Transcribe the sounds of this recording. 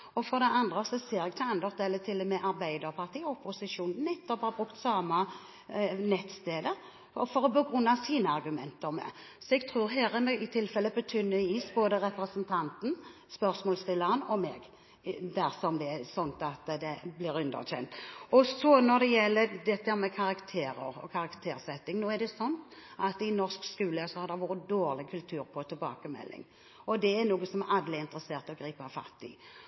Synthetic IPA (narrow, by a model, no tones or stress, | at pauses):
ɔfɔɾd̪ɛɑnd̪ʁəsɔseːɾɛɡ̚t̪ʰɪɛnd̪əʁt̪̚d̪eːlət̪ʰɪlːɔmɛʔɑɾbæɪd̪əɾpʰɑʁt̪ʰiːʊpʊsɪʂuːnnnɛt̪ːɔphɑbʁʉkt̪sɑːmə | nɛt̪st̪eːd̪ə | fɔɾɔbəɡɾʉnːɑsiːnəɑɾɡʉmɛnt̪əɾmɛ̰ | sɔɛɡt̪ʰʁʉːɾɦɛːɾənəɪt̪ʰɪlfɛlːəbət̪ʰʏnːəiːsboːd̪əɾɛpɾəsənt̪ʰɑnt̪n̩ | spœɾsmɔːlst̪ɪlːəʁənɔmɛ̰ːɡ | d̪æɾsɔmd̪ɛsɔnt̪ɑt̪d̪ɛblɪːɾʉnd̪ə̰ʁçɛ̰nt̪ɔsɔnɔd̪ɛjɛlːəd̪ɛt̪ːəhæɾmɛkʰɑɾɑkt̪ʰeːɾə̰ɾɔ̰kʰɑɾɑkt̪ʰeːɾsɛt̪ːɪŋnoːæɾd̪ɛsɔnt̪ʔɑt̪ɪnɔskskʉːləsɔhɑɾd̪ɛʋuːɾəd̪oːɾlɪkʰʉlt̪ʰʉːɾpʰɔt̪ʰɛlbɑ̰ːkəmɛ̰lːɪ̰ŋ | ɔd̪ɛæɾnuːɡəsɔmɛɾʔɑd̪lɪɪnt̪ɾəseːʁt̪ɔɡɾiːpɑfɑ̰t̪ːɪ̰